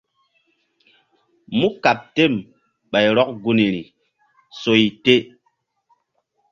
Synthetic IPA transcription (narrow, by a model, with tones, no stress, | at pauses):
mu˦ka˨p̚te˦˨m | ɓa˨jɾɔ˦k̚ɡu˦ni˨ɾi˨ | so˨i˨te˦